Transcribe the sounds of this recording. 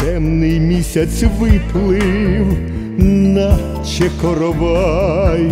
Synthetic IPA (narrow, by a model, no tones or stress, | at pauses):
t̪ɛmnɪjmʲisʲɐt̪sʋɪplˠɪw | nɐ | t͡ʃɛkɔɾɔʋɑj